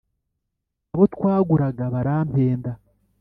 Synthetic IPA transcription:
aβo̞twaːɡuɾaɡaβaɾaːmpeːnda

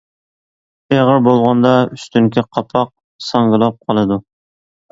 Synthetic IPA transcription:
eʁəɾbolˠʁɑnd̪ɑyst̪ʰyŋkʲʰiqʰɑpʰɑq̚ | sɑŋɡɨlˠɑp̚qʰɑlˠɨd̪u

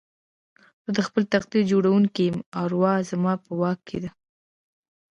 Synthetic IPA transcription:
zəd̪əxpəlt̪aqd̪iɾd͡ʒoɽawuŋkijəmaɾwɑzamɑpəwɑkʰːed̪a

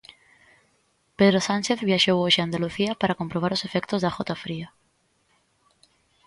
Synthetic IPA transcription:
peðɾosanʲt͡ʃeθβjaʃowoʒand̪aluθiapaɾako̞mpɾoβ̞aɾlo̞se̞fekt̪ozðaxot̪afɾia

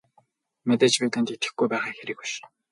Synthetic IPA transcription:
mæt̪et͡ɕpet̪ə̆nt̪it̪ɘ̥̆xɡujpæːχaːxeɾɘ̆kʊ̥ʃ

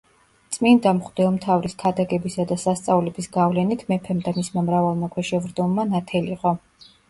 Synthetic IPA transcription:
t̪sʼmind̪amχd̪ɛɔmt̪ʰavɾiskʰad̪aɡɛbisad̪asast̪sʼavlɛbisɡavlɛnit̪ʰmɛpʰɛmd̪amismamɾavalˠmakʰwɛʃɛvɾd̪ɔmːanat̪ʰɛliqʼɔ

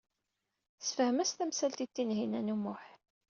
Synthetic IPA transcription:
sfəhmæst̪æmsælt̪it̪ːinɦinænumːʊħ

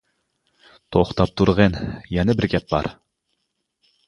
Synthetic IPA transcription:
t̪ʰoχt̪ɑp̚t̪ʰuɾʁənjɛnɛbɪɾɡʲɛp̚bɑ̰ɾ

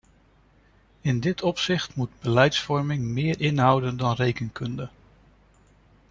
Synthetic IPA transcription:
ɪndɪtɔpsɪχtmud̚bəlɛjtsfɔɹmɪŋmɪːɹʔɪnɦʌwdəndɑnrejkənkɵndə

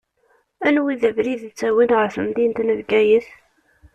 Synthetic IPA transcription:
ænwiðævɾiðt͡sːæwinʁəɾfəmd̪int̪nəvɡæjəθ

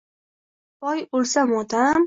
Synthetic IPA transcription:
pɒjolsamot̪am

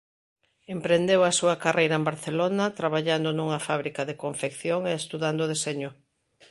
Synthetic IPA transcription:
empɾend̪ewɐsuɐkarejɾɐembaɾθelonɐt̪ɾaβaʎand̪onuŋɐfaβɾikɐðekoɱfekθjoŋeest̪uðand̪oːð̞eseɲʊ

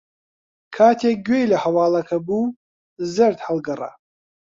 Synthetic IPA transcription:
kʰatʰaɡʲejlaħawaːlakʰabu | zɨrdħalɡara̰

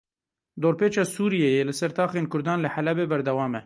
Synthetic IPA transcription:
d̪oːɾpeːt͡ʃɑːsuːɾijejeːlɨsɛɾt̪ɑːxeːnkʰʊɾd̪ɑːnlɨħalɛbeːbɛɾd̪ɛwɑːmɛ

